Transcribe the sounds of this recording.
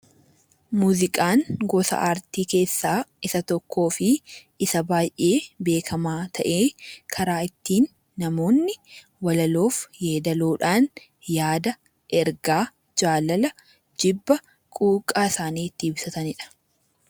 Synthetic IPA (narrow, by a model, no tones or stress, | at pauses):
muːzɪkʼaːŋɡɔsɐ̰ʔaːɾt̪iːke̞ːsːaːɪsɐt̪ɔkʰːo̞ːfɪʔɪsɐbaːjʔe̞ːbe̞ːkʰɐmaːt̪ʰɐʔeːkʰɐɾaːɪt̪ːiːnː | ɐmo̞ːnːɪ | wɐlɐlo̞ːfjeːd̪ɐloːᶑaːn | jaːd̪ɐ | ʔɛɾɡaː | d͡ʒaːlɐlɐ | d͡ʒɪbːɐ | kʼuːkʼaːɪsaːniːt̪ːɪːbsɐt̪ɐnɪᶑɐ̥